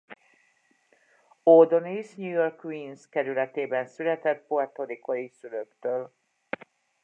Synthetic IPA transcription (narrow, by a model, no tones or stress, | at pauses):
od̪onisɲujorkːʋiːnskɛɾylɛt̪eːbɛnsylɛt̪ɛt̪̚poɛt̪oɾikʰojisyløkt̪øːl